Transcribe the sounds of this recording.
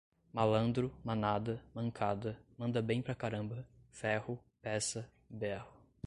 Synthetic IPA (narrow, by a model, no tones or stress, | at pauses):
malɐ̃nd̪ɾʊmanad̪ɐmɐ̃ŋkʰad̪ɐmɐ̃nd̪ɐbẽj̃pɾɐkaɾɐ̃mbɐfɛhʊpɛsɐ | bɛhʊ